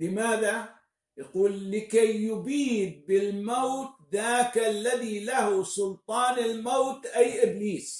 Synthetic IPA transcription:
lɪmaːða | jaquːlːɪkajːʊbiːd̪̚bɪlmowt̪̚ðaːkalːaðilahsʊlt̪ˤɑːnɪlmowt̪ʔajʔɪbliːs

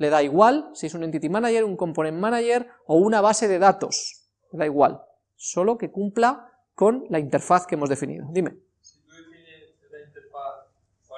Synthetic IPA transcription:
le̞ðaiɣwalsiesunent̪it̪imanaʝe̞ɾuŋko̞mponẽ̞mmanaʝe̞ɾ | o̞unaβ̞ase̞ðe̞ðat̪o̞̰s | le̞ðaiɣwa̰l | so̞lo̞ke̞kumpla | ko̞nlaint̪e̞ɾfaθkeemo̞zðe̞finḭð̞o̞ðime̞̰

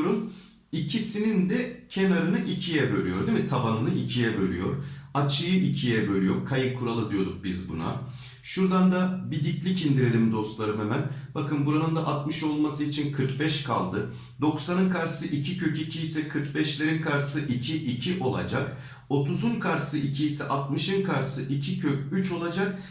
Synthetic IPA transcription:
ɾum | icʰisinind̪ɛcʰe̞naɾɯnɯʔicʰijɛbø̞ɾʲyjo̞ɾd̪emit̪ʰabanɯnɯʔicʰijɛbø̞ɾʲyjo̞̰ɾat͡ʃʰɯjɯʔicʰijɛbø̞lʲyjo̞ɾkʰajɯkʰːuɾalˠɯd̪ijo̞d̪uk̚bizbṵna̰ | ʃuɾd̪and̪abid̪iclʲicind̪iɾe̞lʲimd̪o̞st̪lˠaɾɯmemænbakʰɯnbuɾanɯnd̪aʔat̪mɯʃo̞lˠmasɯit͡ʃʰinkʰɯɾkbɛʃkʰalˠd̪ɯ | d̪o̞ksanɯnkʰaɾsɯʔicʰicʰøcicʰijːsɛkʰɯɾkbɛʃlʲeɾinkʰaɾsɯʔicʰiʔicʰiʔo̞lˠa̰d͡ʒak | o̞t̪ʰuzunkʰaɾsɯʔicʰijːsɛʔat̪̚mɯʃɯnkʰaɾsɯʔicʰicʰøcyt͡ʃo̞lˠad͡ʒak̚

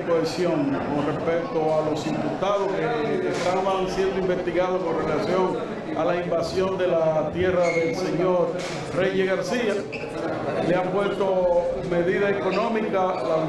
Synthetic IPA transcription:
koesjo̞ŋko̞nre̞spe̞k̚t̪oalo̞simput̪aðo̞skeːst̪aβaŋsje̞nd̪oimbe̞st̪iɣaðoko̞nre̞lasjo̞ŋ | a̰laimbasjo̞nd̪e̞lat̪je̞raðe̞lse̞ɲo̞ɾ | reʝeɣaɾsia | leampwest̪o̞me̞ðiðaeko̞nõ̞mikalau

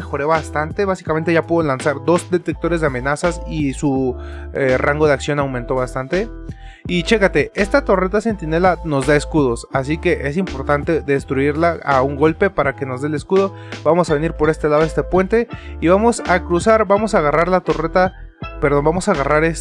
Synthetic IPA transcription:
exo̞ɾe̞βast̪ant̪e̞βasi̥kame̞nt̪e̞ʝapuðolansaɾd̪o̞zd̪e̞t̪e̞k̚t̪o̞ɾezðe̞amẽ̞nasasisu | eraŋɡo̞ð̞eaksjo̞nawmẽnt̪o̞βast̪ant̪e̞ | it͡ʃe̞kat̪e̞e̞st̪at̪o̞ret̪ase̞nt̪ine̞lano̞zd̪aeskuðo̞sas̬ike̞ʔe̞simpo̞ɾt̪ant̪e̞ðe̞st̪ɾuiɾlaauŋɡo̞lpe̞paɾake̞no̞zðele̞skuðo̞ | bamo̞saβe̞niɾpo̞ɾe̞st̪e̞laðoe̞st̪e̞pwe̞nt̪e̞iβamo̞sakɾusaɾbamo̞saɣaraɾlat̪o̞ret̪a | peɾðo̞nbamo̞saɣaraɾes

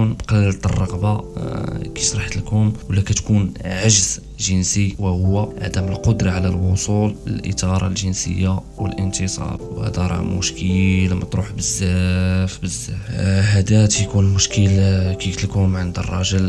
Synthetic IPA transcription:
nbqɑllt̪ərˤːɑɣba | kiʃɾˤɑħt̪lkʊmwəlːækæt̪kunʕaʒz | ʒənsiwæhʊwːæʕad̪æməlqod̪ɾɑʕalælwʊsulə̰lʔə̰t̪ɑɾˤɑ̰lʒənsə̰jːa | wə̰lʔənt̪əsˤɑ̰bwhæ̰d̪æɾˤɑ̰mʊ̰ʃkʰəlmæt̪ɾuħbəzːæfbəzːæfhæd̪æt̪jkunlmʊʃkəlkit̪lkʊmʕənd̪ərˤːɑʒəl

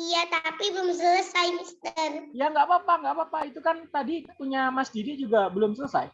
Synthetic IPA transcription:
ijat̪apibəlʊmsələsajmist̪ərjaŋɡaʔpapaŋɡaʔpapait̪ukant̪adipuɲamasdidid͡ʒuɡabəlʊmsələsa̰j

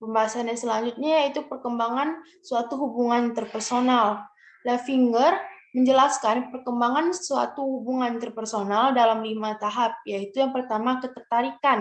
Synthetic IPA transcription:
pəmbaɦasaːnjasəlaɲd͡ʒut̪̚ɲajit̪upərkəmbaŋan | suat̪uɦubuŋant̪ərpərsonal | lafiŋɡərməɲd͡ʒəlaskanpərkəmbaŋansua̰t̪uhubuŋant̪ərpərsonaldalamlimat̪aɦap̚jait̪ujaŋpərt̪amakət̪ət̪aɾikan

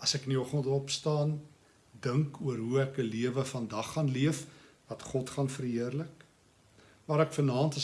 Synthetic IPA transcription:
ɐsɛkəniɔχəntɔpstɑːn | dəŋkuəɾɦuækəliəvəfɐndɐχːɐnliəf | vɐtχɔtχɑnfəɾɦiərlək | mɑːɾɛkfənɑːntə

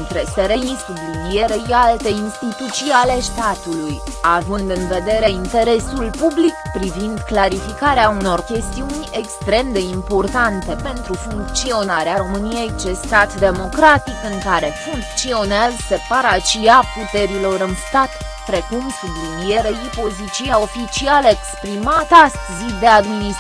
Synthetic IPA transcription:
nt̪ɾeseɾeisublinieɾejalt̪e̞inst̪it̪ut̪sijale̞st̪at̪uluj | avɨnd̪ɨnve̞d̪e̞ɾe̞int̪e̞ɾe̞sulpublikpɾivind̪klaɾifikaɾeauno̞rkʲe̞st̪iunʲe̞kst̪ɾe̞md̪e̞impo̞rt̪ant̪e̞pe̞nt̪ɾufuŋk̚t̪sio̞naɾeaɾo̞mɨnije̞jt͡ʃest̪at̪d̪e̞mo̞kɾat̪ikɨŋkaɾe̞fuŋk̚t̪sio̞nelse̞paɾat͡ʃiaput̪e̞ɾilo̞ɾɨnst̪at̪ | pɾe̞kumsublinijeɾeipo̞zit͡ʃiao̞fit͡ʃialəekspɾimat̪ast̪zid̪e̞ad̪minis

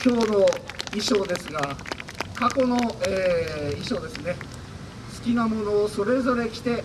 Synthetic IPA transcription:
kʲo̞ːno̞iɕo̞ːd̪e̞sɨɡakako̞no̞eːiɕo̞ːd̪e̞sɨne̞ | sɨ̥kʲinamo̞no̞ːso̞ɾe̞zo̞ɾe̞kʲi̥t̪e̞

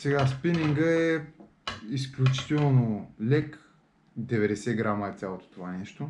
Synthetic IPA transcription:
sɛɡaspiniŋɡəɛ | isklʲut͡ʃi̥t̪ɛlˠnolɛk | d̪ɛvɛd̪ɛsɛɡɾaməɛt̪sʲjalˠot̪o̥t̪ovanɛʃt̪o

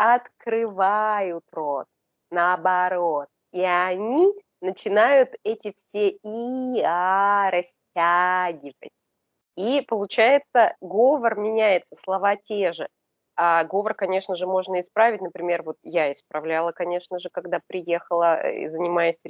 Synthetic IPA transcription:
ɐt̪kɾɨvajʊt̪ɾot̪̚ | nəːbɐɾo̞t̪̚ | iɐnʲi | nət͡ɕɪnajʊt̪ɛtʲɪfsʲeiaɾɐsʲtʲaɡʲɪvə̰t̚ʲ | ipəlˠʊt͡ɕæjɪt̪səɡovərmʲɪnʲæjɪt̪səslˠɐvatʲeʐɨ | aɡo̞vərkɐnʲe̞ʂnəʐɨmo̞ʐnəɪspɾavʲɪtʲnəpɾʲɪmʲe̞rvo̞t̪̚jaɪspɾɐvlʲalˠəkɐnʲe̞ʂnəʐɨkɐɡd̪apɾʲɪje̞xəlˠə̰zənʲɪmajɪsʲ

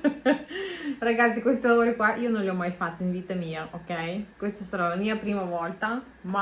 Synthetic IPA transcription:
raɡat̪sːikwest̪ilavoːɾikwaʔiːonõnliɔmajfat̪ːoinviːt̪ɐmiːɐʔokɛjkwest̪asaɾalamiːɐpɾiːmɐvɔlt̪a | ma

